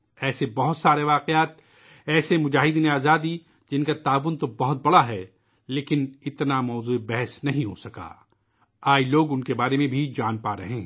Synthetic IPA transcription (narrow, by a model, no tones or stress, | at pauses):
ɛːsebɐɦʊt̪saːɾeʋaːqeaːt̪̚ | ɛːsemʊd͡ʒaːɦɪd̪neaːzaːd̪i | d͡ʒɪnkat̪aːʋʊnt̪obɐɦʊt̪̚bɐɽaɦɛ | leːkɪnɪt̪namɔːzuːebɛɦɛsnɐɦĩɦosɐka̰ː | aːiloːɡʊnkebaːɾemẽbʱid͡ʒaːnpaːɾɐ̰ɦẽː